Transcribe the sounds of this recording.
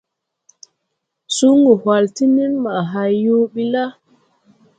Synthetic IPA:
su˦ŋu˨hwa˨lti˦ni˦nma˨ɦa˨jːo˦ɓi˦la˦

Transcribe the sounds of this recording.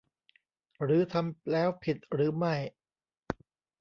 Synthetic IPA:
ɾɯː˩˦t̪ʰa˧mlɛː˦˥wpʰi˨˩t̪̚ɾɯː˩˦ma˥˩j

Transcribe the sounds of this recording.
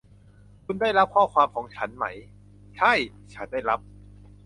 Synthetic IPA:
kʰu˧ndaː˥˩jɾa˦˥p̚kʰɔː˥˩kʰwaː˧mkʰɔː˩˦ŋt͡ɕʰa˦˥nma˦˥j | t͡ɕʰa˥˩j | t͡ɕʰa˦˥ndaː˥˩jɾa˦˥p̚

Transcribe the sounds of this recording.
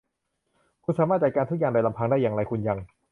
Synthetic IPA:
kʰu˧nsaː˨˦maː˥˩t̪̚t͡ɕa˨˩kaː˧t̪u˦˥k̚a˨˩ŋda˧jla˧mpʰaː˧ŋdaː˥˩jːaː˨˩ŋɾa˧jkʰu˧nja˧ŋ

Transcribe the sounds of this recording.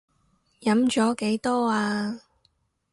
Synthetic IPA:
jɐ˨˥mt͡ʃɔː˨˥ke˨˥jt̪ɔː˥aː˧

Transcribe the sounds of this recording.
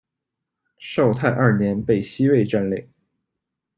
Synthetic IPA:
ʂo˥˧ʊt̪ʰa˥˧ɪʔɐ˞˥˩njɛ˧˥npe˥˩ɪɕi˥we˥˧ɪʈ͡ʂa˥˧nle˥˩ɪ

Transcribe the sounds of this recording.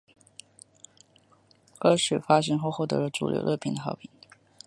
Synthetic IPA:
ə˥ʂɻ̩˨˩fa˥ɕ̬ɛ˧˥nxo˥˧ʊxwɔ˥˩t̪ɤ̰˧˥lə˧ʈ͡ʂṵ˨˩ljo̰˧˥ʊlʔə˥˩pʰi˧˥ŋd̪ə˧xɑ˧˥ʊpʰi˨˩˦n

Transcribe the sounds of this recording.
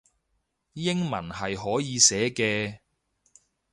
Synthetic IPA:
jɪ˥ŋmɐ˨˩nɦɐ˨jɦɔː˨˥jiː˨˧sɛː˨˥kɛː˧

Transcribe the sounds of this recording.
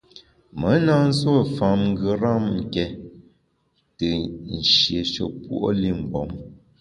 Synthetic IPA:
mə˨˦na˦˨n̩˦swo˦˨fa˨mŋ̩˦ɡə˨˦ɾa˦˨mŋ̩˨kɛ˨ | tə˨n̩˨ʃje˨ʃo̰˨pwu˦ʔo̰˦li˦˨m̩˨bɔ˨˦m

